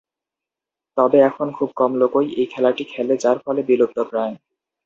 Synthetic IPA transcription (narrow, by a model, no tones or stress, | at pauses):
t̪ɔbeɛkʰonkʰub̚kɔmlokojejkʰɛlaʈikʰɛled͡ʑaɾfɔlebilob̚t̪opɾaen